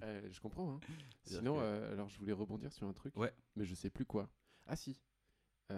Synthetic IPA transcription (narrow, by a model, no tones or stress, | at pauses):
ɛʒəkɔ̃pχɑ̃ɛ̃sinɔ̃øa̰lɔʁʒəvulɛʁəbɔ̃d̪iʁsyʁɛ̃t̪χykwɛmɛʒəsɛplykwa | asi | ø